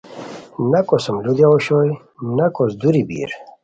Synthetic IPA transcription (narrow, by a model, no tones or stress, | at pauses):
nɐkosəmlud̪jaoɕoj | nɐkosd̪uɾibḭːɾ